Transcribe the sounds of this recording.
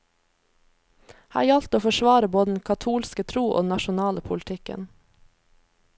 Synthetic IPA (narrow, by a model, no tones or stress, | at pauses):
hæ̰ːjɑlt̪oːfɔʃʋɑːɾəboːd̪əd̪n̩kʰɑt̪ʰuːlskət̪ʰɾuːʔo̰ːd̪n̩ɑʃʊnɑːləpʰʊlt̪ʰɪkə̰n